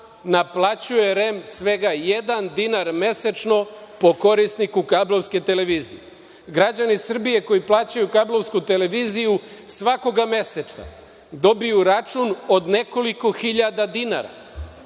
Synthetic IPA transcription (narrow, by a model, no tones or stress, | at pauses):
naplˠat͡ɕuje̞ɾe̞msʋe̞ɡajed̪and̪inaɾme̞set͡ʃno̞po̞ko̞ɾisnikukablˠo̞vske̞t̪e̞le̞ʋiːzḭje | ɡɾad͡ʑanisr̩bije̞ko̞jiplˠaːt͡ɕajukablˠo̞ʋskut̪e̞le̞ʋiːzijusʋako̞ɡame̞sesa̰ | d̪o̞bijuɾat͡ʃunod̪ne̞ko̞liko̞xiʎad̪ad̪ina̰ɾa̰